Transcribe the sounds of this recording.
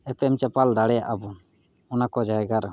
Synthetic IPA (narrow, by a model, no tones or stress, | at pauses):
ɛp̪ɛɛmt͡ʃapald̪aɽɛja̰ʔabu | ɔnakɔd͡ʒaɛɡaɾ